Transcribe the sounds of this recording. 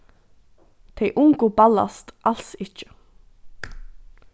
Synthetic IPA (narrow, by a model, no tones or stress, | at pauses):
t̪ʰɛjʔʊŋkʊbala̰st̪ʔal̥sɪt͡ʃɪ̥